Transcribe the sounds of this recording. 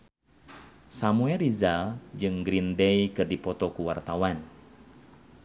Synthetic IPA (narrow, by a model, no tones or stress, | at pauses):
samuɛrizald͡ʒɨŋɡɾindɛjkɨrdipɔt̪ɔkuwart̪awan